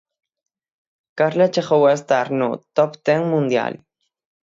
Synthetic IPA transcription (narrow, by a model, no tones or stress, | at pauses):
kaɾlat͡ʃeχowest̪aɾnut̪opt̪eŋmund̪ja̰l